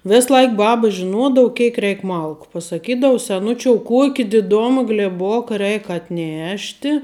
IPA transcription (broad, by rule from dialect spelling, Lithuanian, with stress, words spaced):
ˈʋʲɪs ˈlˠɐɪk ˈbɑːbɐ ʒʲɪˈnuɔdɐʋʊ ˈkʲɛɪk ˈrʲɛɪk ˈmɐlˠkʊ pɐsɐˈkʲiːdɐʊ sʲɛˈnʊt͡ʃʲoːʊ ˈkuɔkʲɪ dʲɪˈdoːmɐ ɡlʲeːˈboːkɐ ˈrʲɛɪk ɐtʲˈnʲæːʃʲtʲɪ